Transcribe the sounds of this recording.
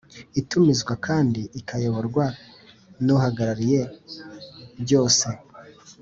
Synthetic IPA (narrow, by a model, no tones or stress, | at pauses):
itumizɡwakʰaːndiːkajo̞βoɾɡwa | nuhaɡaɾaɾije̞ | ɾɟo̞ːse̞